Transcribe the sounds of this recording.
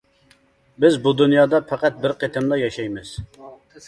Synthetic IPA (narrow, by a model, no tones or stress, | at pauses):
bɪzbud̪unjɑːd̪ɑpʰæqæt̪̚bɪɾqʰet̪ʰɪmlˠɑjɑʃɛjmɪz̥